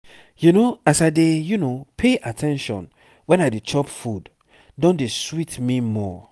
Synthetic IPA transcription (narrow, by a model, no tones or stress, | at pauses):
junoasadejunopʰeʔatʰɛ̃nʃɔ̰̃n | wɛ̃naɪdet͡ʃɔpfud | dɔ̃ndeswitmimɔ̰